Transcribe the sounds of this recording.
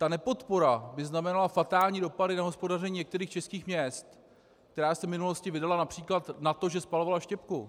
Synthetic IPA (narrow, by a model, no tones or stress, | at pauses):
t̪anɛpo̞t̪po̞ɾabɪznamɛnalafat̪aːlɲiːdo̞padɪnaɦo̞spo̞darɛɲiːɲɛkt̪ɛɾiːxt͡ʃɛskiːxmɲɛst̪ | k̚t̪ɛɾaːsɛvmɪnulo̞scɪvɪdalanapr̝̥iːklat̪nat̪o̞ʒɛspalovalaʃcɛpku